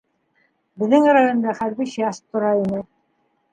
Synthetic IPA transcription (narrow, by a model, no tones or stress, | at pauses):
bɘ̆ðːɘŋɾɑjŏnd̪ɑχæɾβɘɕɑʃt̪ːŏɾɑinɘ